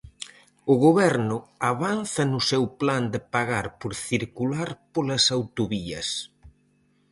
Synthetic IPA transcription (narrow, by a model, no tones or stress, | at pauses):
ʊɣoβɛɾnʊaβanθɐnʊsewpland̪epaɣaɾpoɾθiɾkulaɾpolɐsawt̪oβiɐs